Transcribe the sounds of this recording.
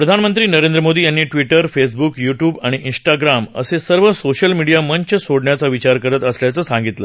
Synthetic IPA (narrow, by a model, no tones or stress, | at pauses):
pɾəd̪ʱanmənt̪ɾiːnəɾẽnd̪ɾəmod̪iːjanːiːʈʋiʈəɾfes̬bukjuʈjuːbaɽ̃iʔinsʈaɡɾamə̰sesəɾʋəsoɕəlmiɽijaməɲt͡ɕəsoɽɳjat͡saʋit͡ɕaɾkəɾət̪əsljat͡səːsãŋɡit̪lə̰